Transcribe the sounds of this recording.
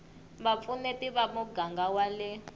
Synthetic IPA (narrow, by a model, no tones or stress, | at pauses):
βap̪funɛtiβamuɡaŋɡawalɛ